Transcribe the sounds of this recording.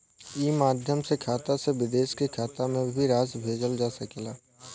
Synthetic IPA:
iːmaːd̪ʱjəmsekʰaːt̪aseʋɪd̪eːʃkekʰaːt̪amẽbʱiɾaːsbʱeːd͡ʒəld͡ʒaːsəkelaː

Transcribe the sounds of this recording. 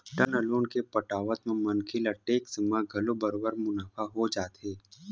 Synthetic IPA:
ʈənəloːnkepəʈaːʋət̪mẽmɐnkʰilɐʈːeːksɪmaɡʱɐlobəɾoːbəɾmʊnaːfʰaɦod͡ʒaːt̪ɦeː

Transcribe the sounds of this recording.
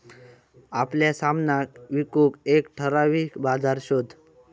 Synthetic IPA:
apljasamnakʋikukekʈʰəɾaʋiːkbad͡zʱaɾɕod̪ʱ

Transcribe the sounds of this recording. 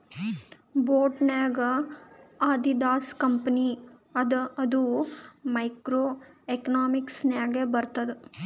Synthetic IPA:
boːʈnaːɡɐ | aːd̪id̪aːskɐmpɐniɐd̪ɐd̪umɐjkɾoːekɐnaːmiksnaːɡebɐɾt̪ɐd̪e

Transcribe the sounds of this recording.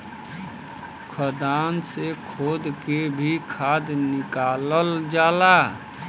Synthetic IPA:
kʰəd̪ansekʰoːd̪kebʱikʰad̪nɪkaləld͡ʒaːla

